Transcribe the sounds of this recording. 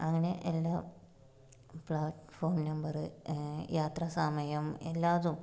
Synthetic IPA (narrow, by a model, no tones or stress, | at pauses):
ɐŋːɐne̞ʔelːaː | pɭaːʈfoːrmnɐmbɐrɨjaːt̪rɐsaːmɐjɐmelːaːʋðum